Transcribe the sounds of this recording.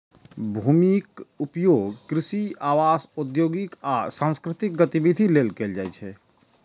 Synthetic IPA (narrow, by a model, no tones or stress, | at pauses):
bʱuːmikʊpjoːɡkɾɪsiaːwaːsʊd̪joːɡɪkaːsãːnskɾɪt̪ɪk̚ɡət̪ibid̪ʱileːlkeld͡ʒaːɛt͡ʃʰɛ